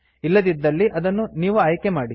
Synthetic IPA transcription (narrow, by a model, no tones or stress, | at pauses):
ilːɐd̪id̪ːɐlːiʔɐd̪ɐnːuniːʋuaːjkemaːɽi